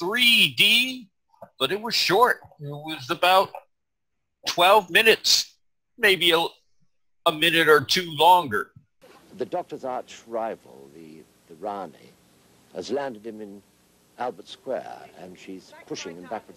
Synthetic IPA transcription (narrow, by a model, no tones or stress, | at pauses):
θɹidi | b̥ʌɾɨt̚wʌz̥ʃɔɹt̚ɪt̚wʌzəbaʊtʰ | w̥ɛlˠvmɪ̃nɨts | meɪbiə | əmɪ̃nɨɾə˞tʰʉlɔ̃ŋɡə˞ | ðɨdɔk̚tə˞zɑɹt͡ʃɹaɪvəl̩ˠði | ðəɹɑnḭ | ɨzlæ̃ndɨd̚ɨ̃mɨ̃n | ælˠbə˞tskwɛ̰ɹɨ̰̃nʃiz̥pʰʊʃɪ̃ŋɨ̃nbækwəd